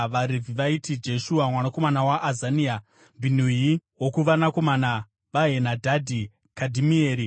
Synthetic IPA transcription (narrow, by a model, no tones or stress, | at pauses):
ʋaɾevʱiʋaitid͡ʒe̞ʃuwamwanako̞manawaʔːzania | bʱin̤ujiwokuʋanako̞mana | ʋaɦenadʱadʱi | kadʱimieːɾi